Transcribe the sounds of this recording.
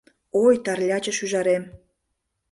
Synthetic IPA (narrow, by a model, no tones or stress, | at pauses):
ojt̪ɑrlʲɑt͡ɕə̆ʃyʒɑɾem